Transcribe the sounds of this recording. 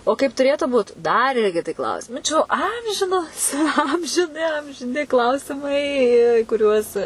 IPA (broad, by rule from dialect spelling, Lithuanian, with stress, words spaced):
oː ˈkɐɪp tʊˈrʲeːtʊ ˈbuːt dɐr ˈɪrʲɡʲɪ kʲɪˈtʲɪ ˈklˠɐʊsʲɪmɐɪ t͡ʃʲɛ jɛʊ ˈɐmʲʒʲɪnoːs ɐmʲʒʲɪˈnʲɪ ɐmʲʒʲɪˈnʲɪ ˈklˠɐʊsʲɪmɐɪ iː iː kʊˈrʲuɔs